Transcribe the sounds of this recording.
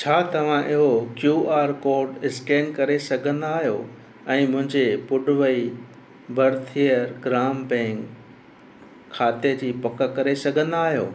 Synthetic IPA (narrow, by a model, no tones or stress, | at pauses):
t͡ɕʰaːt̪ɐʋ̤ãʔɪɦokjuːʔaːɾkoːɾɖɪskeːnkɐɾesɐɡʱə̃nd̪aːɦijo | ɛ̃ːmʊ̃ɦɪ̃ɲd͡ʑepʊɖʊʋɐi | bʱɐɾt̪ʰiəɾɡɾaːmbɛ̃ːŋk | aːt̪ed͡ʑiːpɐkəkɐɾesɐɡʱə̃nd̪aːɦijo̰ː